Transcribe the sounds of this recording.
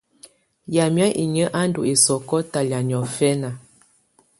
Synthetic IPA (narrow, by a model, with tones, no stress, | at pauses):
ja˨mja˦ʔḭ˨ɲə˦ʔa˦n˦do˨e˨sɔ˨kɔ˦ta˨lja˨ɲ˨ɔ˨fɛ˦na˨